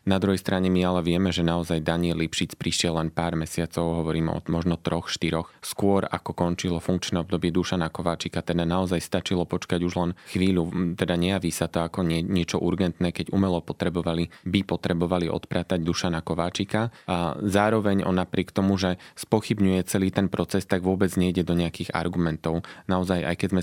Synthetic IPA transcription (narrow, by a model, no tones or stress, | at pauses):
nad̪ɾuɦɛjst̪ɾʔaɲɛmialɛʋɪɛmɛʒɛnaɔzajd̪aɲɪɛlːipʃit͡spɾiʃɪɛlːɛnpaːɾmɛsɪat͡sɔʊɦɔʋɔɾiːmɔ̰mɔʒnɔt̪ɾɔxʃt̪iɾɔxskʊɔɾa̰kɔkɔnt͡ʃilɔfuŋkt͡ʃnɛɔbd̪ɔbɪɛd̪uʃanakɔʋaːt͡ʃikat̪ɛd̪anaɔzajst̪at͡ʃilɔpɔt͡ʃkaɟuʒlɛnxʋiːʎut̪ɛd̪aɲɛjaʋiːsat̪ɔakɔɛɲɪɛt͡ʃɔʔuɾɡɛnt̪nɛːkɛɟumɛlɔpɔt̪ɾɛbɔʋalibipɔt̪ɾɛbɔʋaliʔɔ̰t̪pɾat̪aɟd̪uʃanakɔʋaːt͡ʃikazaːɾɔʋɛɲɔ̰nːapɾɪɛkt̪ɔmuʒɛspɔxibɲujɛt͡sɛliːt̪ɛnpɾɔt͡sɛst̪aɡʋʊɔbɛd͡zɲɛiɟɛd̪ɔɲɛakiːɣa̰ɾɡumɛnt̪ɔʊnaɔzaja̰jkɛzmɛ